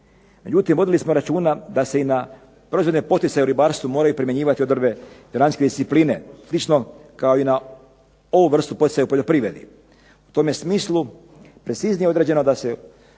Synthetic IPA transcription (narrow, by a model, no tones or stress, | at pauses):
me̞d͡ʑut̪imʋo̞d̪ilismo̞ɾat͡ʃuːnad̪ase̞ina | pɾo̞izvo̞d̪nepo̞t̪it̪sajeuɾibaːɾst̪ʋumo̞ːɾajupɾimje̞ɲiːʋat̪io̞d̪r̩be̞joɾansked̪ist̪ipliːneslit͡ʃno̞kao̞ina | oʋuʋr̩st̪upo̞t̪i̥tsajeupo̞ʎo̞pɾiːʋɾe̞d̪ḭ | u̥t̪o̞mje̞smiːslˠu | pɾet̪siznijeod̪ɾed͡ʑe̞no̞d̪ase